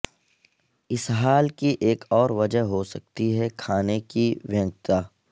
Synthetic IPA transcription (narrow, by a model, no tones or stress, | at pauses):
ɪsɦaːlkiʔeːkɔːɾʋɐd͡ʒəɦɦosɐk̚t̪iɦɛkʰaːnekiʋjə̃ŋɡt̪aː